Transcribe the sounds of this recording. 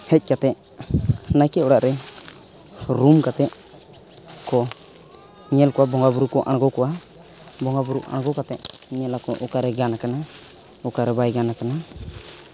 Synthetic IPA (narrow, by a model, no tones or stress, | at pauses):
hɛc̚ˀkat̪ɛʔ | najkɛɔɽaʔɾɛ | ɾumkat̪ɛʔ | kɔ | ɲɛlkɔwabɔŋɡabuɾukɔʔaɽ̃ɡɔkɔwa | bɔŋɡabuɾuʔa̰ɽɡɔkat̪ɛʔɲɛlakɔʔukaɾɛɡanakana | ukaɾɛbajɡanakana